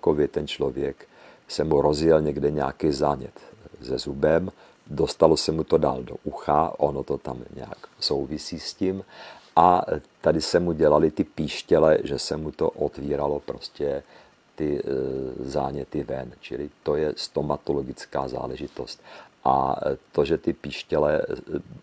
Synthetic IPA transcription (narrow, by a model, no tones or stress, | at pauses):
kovjɛt̪ɛnt͡ʃlo̞vjɛk | sɛmuɾo̞zjɛlɲɛɡdɛɲɛa̰kizaːɲɛ̰t̪zɛzubɛm | do̞st̪alo̞sɛmut̪o̞da̰ːldo̞̰ʔuxaʔo̞not̪o̞t̪amɲɛ̰a̰kso̞wvɪsiːscimʔat̪adɪsɛmuɟɛlalɪt̪ɪpiːʃcɛlɛʒɛsɛmut̪o̞̰ʔot̪viːɾalo̞pɾo̞scɛ | t̪ɪ | za̰ːɲɛt̪ɪvɛnt͡ʃɪlɪt̪o̞jɛst̪o̞mat̪oloɡɪt͡ska̰ːza̰ːlɛʒɪt̪o̞st̪̚ʔa̰t̪o̞ʒɛt̪ɪpiːʃcɛlɛ̰